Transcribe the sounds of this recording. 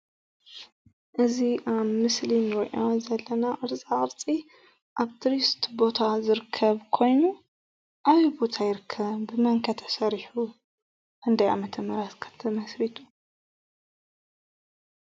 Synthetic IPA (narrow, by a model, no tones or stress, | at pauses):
ʔɨziʔaβmɨslinwɔjʔozɐlːɐnaʔɨɾt͡sʼaʔʼɨɾt͡sʼi | ʔaβt̪ʰɨɾist̪bo̞t̪ʰazɨɾɨkʰːɐβkʰo̞jnu | ʔaβibo̞t̪ʰajɪɾɨkʰːɐβbɨmɐŋkʰɐt̪ʰɐsɐɾħu | ʔɨnd̪ɐja̰mɐt̪ʰɐmːɐɾɐt̪kʰɐ̥t̪ʰːɐmɐsɾit̪ʰu̥